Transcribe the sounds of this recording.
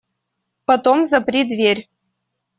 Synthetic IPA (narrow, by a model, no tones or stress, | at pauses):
pɐt̪omzɐpɾʲid̪vʲerʲ